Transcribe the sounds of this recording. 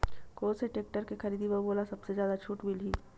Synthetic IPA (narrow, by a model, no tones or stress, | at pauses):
koːɾseʈeːk̚ʈəɾkexɐɾiːd̪ibəboːlasɐbsezjaːd̪at͡ʃʰuːʈbilɦiː